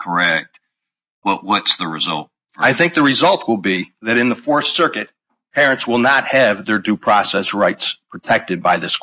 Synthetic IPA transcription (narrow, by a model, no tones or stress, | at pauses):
kʰə˞ɛk̚t̚ | b̥ʌʔ̚wʌtsðɨɹɨzʌ̰lˠt̚ | aɪθɪ̃ŋk̚ðɨɹɨzʌlˠt̚ʰwəlˠbiðɨɾɨ̃nðəfɔɹθsɜ˞kɨt̚ | pʰɛɹɨ̃ntswɪlˠnət̚hɨvðə˞dʉpʰɹ̥ɑsɛsɹaɪtspʰɹ̥ɨtʰɛk̚tɨd̚baɪðɪskʰ